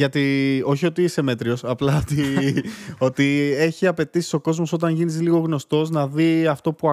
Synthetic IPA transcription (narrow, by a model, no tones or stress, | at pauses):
ɐt̪io̞çio̞t̪iise̞me̞t̪ɾio̞sɐplɐot̪i | o̞t̪ie̞çiɐpe̞t̪isi̥so̞ko̞zmo̞so̞t̪̬ɐɲʝinizliɣo̞ɣno̞st̪o̞znɐðiɐft̪o̞puɐ